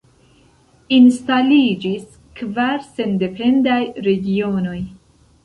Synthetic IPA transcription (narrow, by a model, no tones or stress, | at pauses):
instalid͡ʒis | kvaɾse̞nde̞pe̞ndajɾe̞ɡio̞no̞j